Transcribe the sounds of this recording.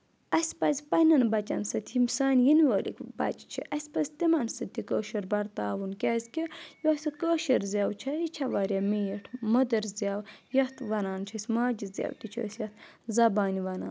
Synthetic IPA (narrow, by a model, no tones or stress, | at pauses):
ɐsʲpɐzʲpɐnɐnbɐt͡ʃɐ̰nsɐt̪ʰimsaːnʲjinʋəːlḭkbɐ̰t͡ʃt͡ʃʰḭʔɐsʲpɐzʲt̪imɐnsɐt̪ikəːʃɐɾbɐɾt̪aːʋunkʲɛːzʲkʲijosʲikəːʃɐɾzʲaːwt͡ʃʰɐɾit͡ʃʰɐʋaːɾʲamijiʈʰmɐd̪ɐɾzʲaːwjɐht̪ʰʋɐnaːnt͡ʃʰɐsʲmaːd͡ʒizʲja̰ːwt̪it͡ʃʰə̰ːsjɐt̪zɐbaːniʋɐna̰ːn